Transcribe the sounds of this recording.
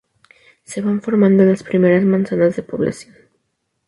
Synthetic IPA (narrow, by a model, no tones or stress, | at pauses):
se̞βaɱfo̞ɾmãnd̪oenlaspɾime̞ɾazmãnsanazðepo̞β̞la̰sjo̞n